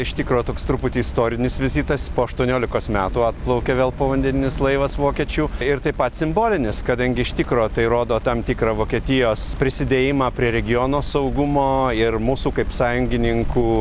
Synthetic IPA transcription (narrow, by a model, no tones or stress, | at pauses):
ɪʃt̪ʲɪkɾoːt̪oːkst̪ɾʊpʊt̪ʲiːɪst̪oːɾʲɪnʲɪsʋʲɪzʲiːt̪ɐspoːɐʃt̪uɔnʲoːlʲɪkoːsmʲæːt̪uːɑt̪plˠɐʊkʲɛʋʲeːlˠpoːʋɐnʲd̪ʲɛnʲɪnʲɪslˠɐɪʋɐsʋoːkʲiɛt͡ʃʲuːɪɾt̪ɐɪpɐt̪sʲɪmboːlʲɪnʲɪskɐd̪ɐŋʲɡʲɪɪʃt̪ʲɪkɾoːt̪ɐɪɾoːd̪oːt̪ɐmt̪ʲikɾɐʋoːkʲiɛt̪ʲɪjoːspʲɾʲɪsʲɪd̪ʲeːjɪmɑːpʲɾʲiɛɾʲɛɡʲɪjoːnoːsɐʊɡʊmoːɪrmuːsuːkɐɪpsɑːjʊŋʲɡʲɪnʲɪŋkuː